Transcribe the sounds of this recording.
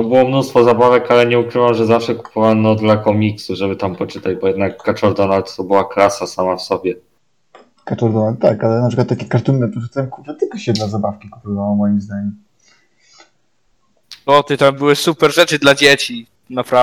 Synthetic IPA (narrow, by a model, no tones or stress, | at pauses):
ɔbɘwɔmnust̪fɔzabavɛkalɛɲɛukɾɘvamʐɛzafʂɛku̥pʰɔvanɔd̪lakɔmʲiksuʐɛbɘt̪ampɔt͡ʂɘt̪ad͡ʑbɔjɛd̪nakːat͡ʂɔɾd̪ɔnalt̪t̪ɔbɘwaklasasamafsɔbʲjɛ | kat͡ʂɔɾd̪ɔnalt̪ːakalɛnapʂɘkwat̪t̪ːakʲɛkaɾt̪umnɛpɔʂut̪ajɛmkuvɨt̪ɘkaɕɛd̪lazabafkʲikupɔvawɔmɔjimzd̪aɲɛm | ɔt̪ɨt̪ambɘwɘsupɛɾʐɛt͡ʂɨd̪lad͡ʑet͡ɕi | napɾa